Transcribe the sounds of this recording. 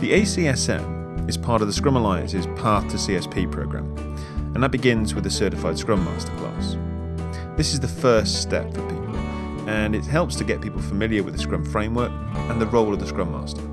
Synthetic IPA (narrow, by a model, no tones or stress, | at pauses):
ðiʔeɪsiɛsɛ̰̃m | ɪz̥pʰɑɹɾəvðəskɹʌ̃məlaɪə̰̃nsɪz̥pʰɑˑθtʰəsiɛspʰiːpʰɹ̥əʊɡɹã̰m | ə̃nðət̚b̥ɪɡɪ̃nzwɪðəsɜˑɾɪfaɪd̥skɹʌ̃mːɑ̰ˑstə̥kʰl̥ɑ̰ˑs | ðɪsɪzðəfɜˑststɛ̰pfəpiˑpə̰l̩ˠ | ə̃nɪt̚ɦɛlˠpstʰəɡɛʔ̚pʰiˑpəl̩ˠfəmɪlˠjəwɪ̰ðəskɹʌ̃ɱfɹẽɪ̃mwɜˑ˞k | ə̃nðəɹoʊlˠəvðəskɹʌ̃mːɑ̰ˑstə